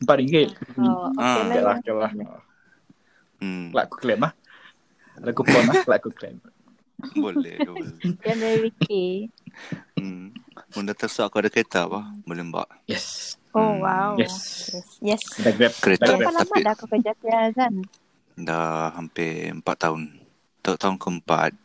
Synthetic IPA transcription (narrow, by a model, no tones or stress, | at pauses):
əmpat̪̚iŋɡɪt̪̚ː | alaəlah | la̰ʔku̥klɛmah | dakupɔnahklaʔkuklɛ̰m | bolɛ̰bjanvɛɾiwiki | mundat̪əsaʔkuadakəɾet̪abahbolɛhmba̰ʔ | jɛs | owawjɛsjɛsjɛsdaɡɾɛp̚kəɾetdaapalaamaidakukəd͡ʒatiazan | daɦampɪəmpat̪ːaʊn | t̪at̪aʊnkəəmpa̰t̪̚